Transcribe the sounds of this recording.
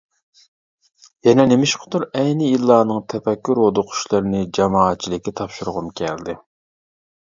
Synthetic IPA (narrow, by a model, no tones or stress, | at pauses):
jɛnɛnɪmɪʃqʰəd̪uɾɛjnɪjilˠːɑːnɨŋt̪ʰɛpɛkʲːyɾod̪ʊqʰʊ̥ʃlˠɨɾnɪd͡ʒɑmɑːt̪̚t͡ʃʰːilɪkʲːɛt̪ʰɑpʃuɾʁʊmkʲʰɛld̪ɪ